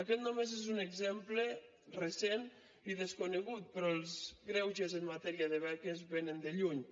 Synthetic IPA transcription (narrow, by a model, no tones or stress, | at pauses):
akɛt̪̚nomezezuneɡzemple | resen | iðeskuneɣut̪̚pɾɔelˠzɡɾɛwʒezəmmːat̪ɛɾiaðeβɛkezβenənd̪eʎuɲ